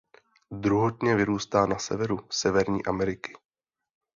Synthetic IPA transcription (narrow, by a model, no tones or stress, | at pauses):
d̪ɾuɦot̪ɲɛvɪɾuːst̪aːnasɛvɛɾusɛvɛɾɲḭːʔamɛɾɪkɪ̥